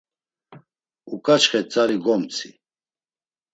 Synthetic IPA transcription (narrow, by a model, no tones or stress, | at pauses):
ukʼat͡ʃχɛt͡sʼaɾiɡɔmt͡sʰi